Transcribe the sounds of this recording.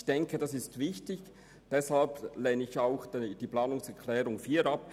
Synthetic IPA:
çd̥ɛŋkʰəd̥ɑsɪstvɪçtɪç | d̥ɛshalpleːnəɪçaʊxdd̥iːplɑːnʊŋsɛkʰlɛːɾʊŋfiːɐɾɑp

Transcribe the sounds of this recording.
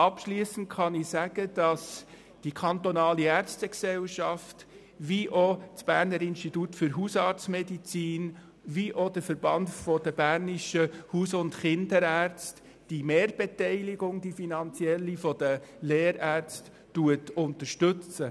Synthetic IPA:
ɑpʃliːəsən̩tχɑnisæɡ̥əd̥ɑs | d̥ikʰɑntɔnɑːliæɾt͡stɛksɛlʃɑft | ʋiʔot͡sb̥æːɾnəɾɪnʃtitutfʏɾɦusɑːɾt͡smɛdit͡siːn | ʋiʔodəfəɾbɑndfɔdəbæːɾniʃəhuːsʊntχɪndəɾæːɾt͡st | d̥imeːɾbetɛɪliɡʊŋd̥ifinɑnt͡siɛlːifɔd̥əleːɾæːɾt͡stːuətʊntəɾʃtɵt͡sə

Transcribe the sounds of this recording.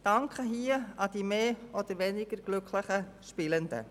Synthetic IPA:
d̥ɑŋkχəɦiːəɑd̥iːmeːɔd̥̪əɾʋɛnɪɡ̥əɾɡ̥lʏkʰləχə | ʃpɪləndə̰

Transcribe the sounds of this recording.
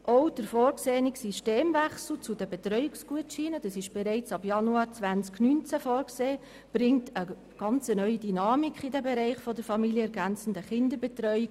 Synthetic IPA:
ʔoʊd̥əɾfɔːɾkseːniksiʃteːmvæχsl̩t͡sud̥əbɛtɾœʏɪksɡ̥uətʃiːnəd̥ɑsɪʃb̥ɛɾɛɪt͡sɑbjɑnuɑːɾt͡sʋænt͡sknynt͡sæfɔːɾkseː | b̥ɾɪŋtʰə | ɡ̥ɑnt͡sənœʏidynɑːmikʰχidɛbɛɾɛɪχfɔdəɾfɑmiljəɛɾɡænt͡sn̩dəχɪndəɾbɛtɾœʏi

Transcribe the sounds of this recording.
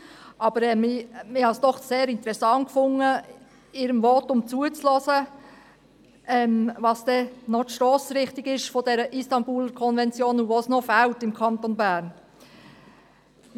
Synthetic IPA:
ʔɑb̥əɾɛmɪmɪhɑsd̥ɔχseːɾɪntəɾɛsɑŋkfʊŋə | ɪːɾəmvɔtʊmt͡suət͡slɔːsə | ɛmvɑsd̥ɛnɔtʃtɾɔːsɾɪχtɪɡɪʃfɔdɛɾəʔistɑnbuːlkʰɔnvɛnt͡sjoːnuʋosnofæltɪmkʰɑntonbæːɾn

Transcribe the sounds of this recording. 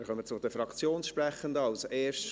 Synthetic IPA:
əχœmət͡sʊd̥̪əfɾɑkt͡sjoːnsʃpɾɛχənd̪əɑlseːɾʃ

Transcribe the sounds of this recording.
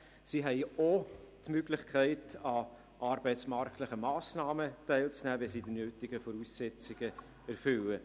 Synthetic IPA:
siːɦɛɪotmøɡ̥lɪχkʰæɪtɑ | ʔɑːɾb̥ɛɪt͡smɑɾktləχəmɑːsnɑːmətæɪlt͡snæːʋɛlsiːdinøːtɪɡ̥əfɔɾuːsːɛt͡sɪɡ̥ə | æɾfʏlə

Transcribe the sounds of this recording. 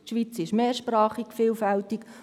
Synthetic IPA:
ʃʋit͡sɪʃmeːɾʃpɾaːχikfiːlfɛltik

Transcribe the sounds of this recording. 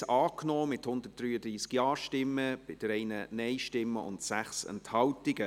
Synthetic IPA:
ɑːknoːmɪthʊnd̪ət̚d̥ɾyːəd̪ɾiːskjɑːɾʃtɪmːəb̥ɪd̥ɾɛɪnənɛɪʃtɪmːəʊ̰ntsæχsɛ̰nthɑltɪɡ̥ə

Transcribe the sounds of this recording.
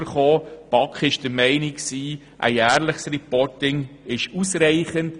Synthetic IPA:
əɾχoːpɑkχɪʃd̥əɾmɛɪniksiː | ʔæ̰ɪæːɾləχsrɛpɔɾtɪŋɪʃusɾɛɪχənt

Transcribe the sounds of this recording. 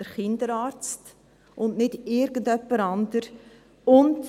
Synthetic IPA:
əɾχɪndəɾɑːɾt͡st | ʔʊnnɪdɪɾɡəndœpːəɾɑndəɾ | ʊnt

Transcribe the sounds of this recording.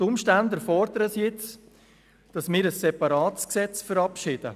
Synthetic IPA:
tʊmʃtændəfɔɾd̪əɾəsjɪt͡s | d̥ɑsmɪːɾəsːɛpɑɾɑːtsksɛt͡sfəɾɑpʃɪːd̥ə̰

